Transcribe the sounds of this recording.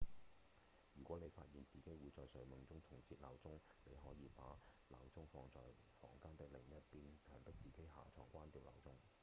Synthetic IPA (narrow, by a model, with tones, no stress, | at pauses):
jyː˨˩kʷɔː˨˥ne˨˧jfa̰ː˧t̚jiː˨nt͡siː˨ke˨˥jwuː˨˧jt͡sɔː˨jsœ˨˥ɥmʊ˨˧ŋt͡sʊ˥ŋt̪ʰʊ˨˩ŋt͡sʰiː˧t̚laː˨˧wt͡sʊ˥ŋ | nḛ˨˧jɦɔː˨˥jiː˨˧pa̰ː˨˥la̰ː˨˧wt͡sʊ˥ŋfɔː˧ŋt͡sɔ̰ː˨j | fɔ̰ː˨˩ŋkaː˥nt̪ɪ˨˥k̚lɪ˨˩ŋjɐ˦˥t̚piː˧nlʰœː˨˩npɪ˥k̚t͡siː˨˩ke˥jɦa̰ː˨t͡sʰɔː˨˩ŋkʷaː˥nt̪iː˧wla̰ː˨˧wt͡sʊ˥ŋ